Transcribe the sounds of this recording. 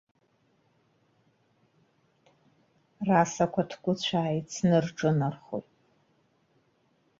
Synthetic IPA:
rasakʷʰatʰɡʷʊt͡ɕʷʰaːjit͡sʰnɨrʈ͡ʂʼɨnarχo̰jtʼ

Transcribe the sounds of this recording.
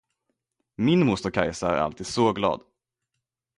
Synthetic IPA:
mɪnmʊst̪ʊɾkʰajsaæ̰ɾa̰lt̪ʰiːd̪sɔɡlɑ̰ːd̪

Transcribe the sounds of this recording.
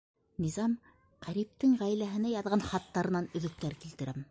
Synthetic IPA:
nizɑm | qæɾip̚t̪ɘŋʁæjlæɦɘ̆næjɑðʁɑnχɑt̪ːɑɾɤ̆nɑnɵ̆ðɵ̆k̚t̪æɾkilt̪ɘ̆ɾʔæm

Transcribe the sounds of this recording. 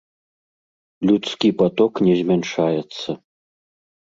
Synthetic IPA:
lʲut̪skʲipat̪ɔknʲɛzʲmʲɛnʂajɛt̪sːɐ

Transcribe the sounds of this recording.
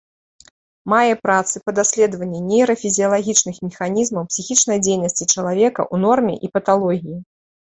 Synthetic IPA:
majɛpɾat̪sɨpɐd̪asʲlʲɛd̪vɐnʲːɛnʲejɾɐfʲizʲijɐlˠaɣʲit͡ʂnɨxmʲɛxanʲizmɐwpsʲixʲit͡ʂnɐjd͡zʲejnɐsʲt͡sʲit͡ʂɐlˠavʲɛkɐ̰ʔunɔrmʲɛ̰ʔipɐt̪alˠɔɣʲiji

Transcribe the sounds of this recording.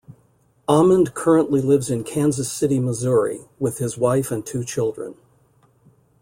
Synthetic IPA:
ʔɑmə̃nkʰɜ˞ə̃nʔlilɪvzɨ̃nkʰæ̃nzɨsɪɾiməzʊɹḭwɪð̥ɨzwaɪfɨ̃ntʰʉt͡ʃʰɪlˠdɹɨ̰̃n

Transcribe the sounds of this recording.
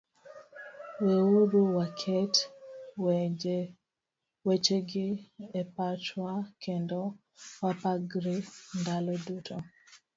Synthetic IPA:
weuɾuwakʰɛtwed͡ʒ | wet͡ʃeɡɪepat͡ʃwakʰendo | wapaɡɾindalɔdutʰo

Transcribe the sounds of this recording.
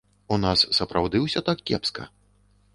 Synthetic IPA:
unasːɐpɾʔawd̪ɨwsʲɔt̪akːʲɛ̰pskɐ̰

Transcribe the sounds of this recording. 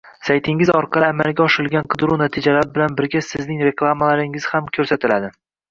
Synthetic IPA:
sajt̪ʰɪŋɪzɒɾqʰɑlˠɪamalˠɡʲaɒʃɪɾɪlɡʲanqʰɨd̪ɾunat̪ʰɪd͡ʒalaɾɪbɪlanbɪɾɡʲasɪznɪŋɾe̞klˠamalaɾɪŋɪz̥hamkʲʰɵɾsat̪ʰɪlad̪ɪ

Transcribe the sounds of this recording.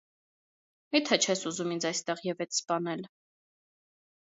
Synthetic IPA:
mit̪ʰɛt͡ʃʰɛsuzumind͡zɑjst̪ɛʁjɛvɛt͡sʰspɑnɛl

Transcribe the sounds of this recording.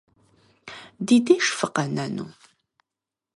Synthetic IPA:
d̪id̪iʃfəqənænṵ

